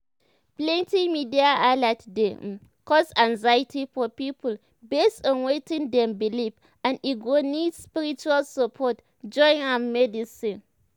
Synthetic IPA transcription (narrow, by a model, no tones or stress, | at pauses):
plɛ̃ntĩmidiaalatde | kɔsãŋzajitʰifɔpipʰəl | bestɔ̃nwetĩndɛ̃mbilif | ãniɡonidspiɹit͡ʃualsəpʰɔt | d͡ʒɔ̃ɪ̃namɛdisĩn